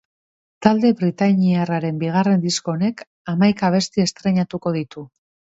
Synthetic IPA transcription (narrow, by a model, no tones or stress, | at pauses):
t̪ald̪e̞βɾit̪aɲiaraɾe̞mbiɣ̞are̞nd̪isko̞ne̞k | amajkaβ̞e̞st̪ie̞st̪ɾe̞ɲat̪uko̞ðit̪u